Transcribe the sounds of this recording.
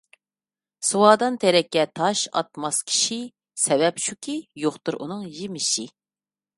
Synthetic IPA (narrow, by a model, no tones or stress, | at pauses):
suwɑːd̪ɑnt̪ʰɛɾɛkʲːɛt̪ʰɑʃɑ̰t̪̚mɑskʲʰi̥ʃi | sɛvɛpʃʰukʲʰijoχt̪uɾʔṵnɨŋjimɪʃi